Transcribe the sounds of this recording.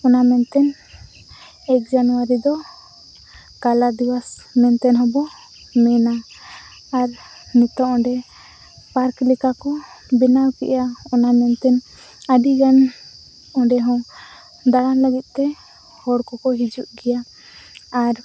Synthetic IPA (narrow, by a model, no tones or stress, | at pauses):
ɔnamɛnt̪ɛn | ɛk̚d͡ʒanuwaɾid̪ɔ | kalad̪iwasmɛnt̪ɛnɦɔbɔ | mɛnaː | ɾ | nit̪ɔʔɔ̃ɖɛ | paɾklikakɔbinawkɛ̰ʔjaɔnamɛnt̪ɛn | aɖiɡan | ɔɖɛɦɔ̃ŋ | d̪aɽanləɡit̪̚ˀt̪ɛ | hɔɽkɔkɔɦid͡ʒuʔɡɛjaː | ɾ